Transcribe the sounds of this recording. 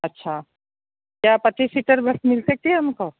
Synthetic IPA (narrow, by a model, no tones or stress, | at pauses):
ɐtːʃʰaː | kjaːpɐt̪ipiʈəɾbɐsmɪlsɐk̚t̪iɦɛɐmko